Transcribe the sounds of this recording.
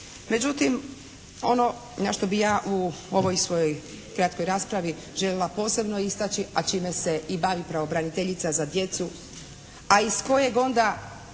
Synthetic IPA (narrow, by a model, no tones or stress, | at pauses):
me̞d͡ʑut̪im | o̞̰no̞ | naʃt̪o̞bijaːʔuo̞ʋo̞jsʋo̞joj | kɾat̪ko̞jɾaːspɾaʋi | ʒeʎe̞lˠapo̞ːse̞bno̞ist̪at͡ʃiat͡ʃiːme̞se̞ibaʋipɾaʋo̞bɾanit̪eʎit̪sazad̪je̞t̪su | aisko̞je̞ɡo̞nd̪a